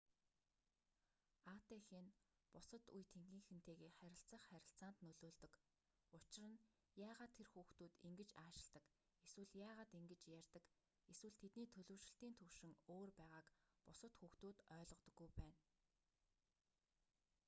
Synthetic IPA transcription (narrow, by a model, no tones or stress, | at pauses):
at̪exeːn | pʊsə̆t̪ujt̪ʰeŋɡiːŋxɘ̆n̥t̪ʰeːɣeːχæɾʲɪ̆ɬt͡sə̆χχːæɾʲɪ̆ɬt͡saːnt̪nɵɮoːɮt̪ɵ̆k | ʊt͡ɕɪ̆rə̆n | jaːʁaːt̪ʰːerxuːxt̪uːt̪iŋɡɘ̆t͡ɕaːʃɪ̥̆ɮt̪ə̆k | eswɘ̆ɮjaːʁaːt̪iŋɡɘ̆t͡ɕjærʲt̪ə̆k | eswɘ̆ɮt̪ʰet̪niːt̪ʰɵɮɵ̆ːwʃɪ̆ɬt̪iːnt̪ʰɵwʃɪ̆ŋoːrpæːʁaːkpʊsə̆t̪xuːxt̪uːt̪œːɮʁɞ̆qt̪ɞ̆ɡːujpæːn